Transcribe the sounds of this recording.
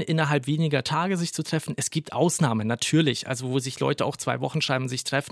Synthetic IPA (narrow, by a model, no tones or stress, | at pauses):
nʔɪnɐɦalpv̥eːnɪɡɐtʰaːɡəzɪçt͡sutʁ̥ɛfn̩ɛsɡ̥iːp̚tʔa̰ʊsnaːmənːatʰyːɐlɪçʔa̰lzovoːzɪçlɔ̰ʏtəʔa̰ʊxt͡sv̥a̰ɪvɔχn̩ʃʁ̥aɪbm̩zɪçtʁ̥ɛfn̩